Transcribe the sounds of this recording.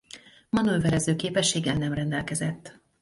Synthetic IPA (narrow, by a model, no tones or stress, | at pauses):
mɒnøvɛɾɛzøːkeːpɛʃːeːɡɛlnɛmrɛnd̪ɛlkɛzɛt̪ː